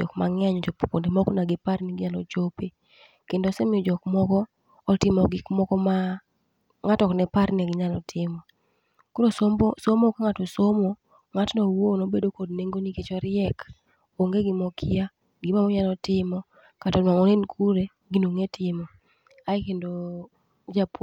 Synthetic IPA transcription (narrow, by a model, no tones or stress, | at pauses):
d͡ʒɔ̰kmaŋɛɲɔt͡ʃoppondemɔknaɡɪpaɾniɡɪɲalɔ̰t͡ʃope | kendosɛmɪɔd͡ʒɔkmɔkɔː | tɪmɔɡɪkmɔkɔma | ŋatɔknɛpaɾnɛɡɪɲalɔtʰɪmɔ | koɾosombsomokaŋatosomo | ŋatnɔwonobedokod̚neŋɡoniket͡ʃɔɾɪɛk | oŋɡeɡɪmɔkʰɪa | ɡɪmamɔɲalɔtɪmɔ | katanwaŋɔnenkʰuɾe | ɡinoŋetʰɪmɔ | ajkendo | d͡ʒap